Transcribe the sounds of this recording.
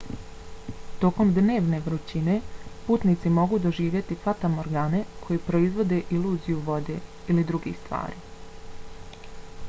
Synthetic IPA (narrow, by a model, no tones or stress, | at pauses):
t̪o̞ko̞md̪ne̞ːʋne̞ʋɾut͡ɕine̞puːt̪nit̪simo̞ɡuːd̪o̞ʒiːʋjet̪ifat̪amoɾɡaːne̞kʰo̞jipɾoizʋo̞d̪e̞ʔiluːzijuʋo̞d̪e̞ilid̪ɾuɡḭxst̪ʋa̰ːɾḭ